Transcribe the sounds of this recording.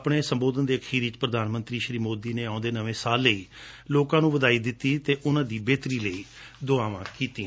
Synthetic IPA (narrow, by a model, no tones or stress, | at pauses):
pɽeːsəmboːd̪ənd̪eːəkʰiːɾɪt͡ʃpɾəd̪aːnmənt̪ɾiːʃɾiːmoːd̪iːneːãːnd̪eːnəʋẽːsaːlːəiː | loːkãːnũːʋəd̪aːiːd̪ɪt̪ːiːt̪eːʔʊnãːd̪iːbeːt̪ɾiːləiː | d̪oaːʋãːkiːt̪ĩː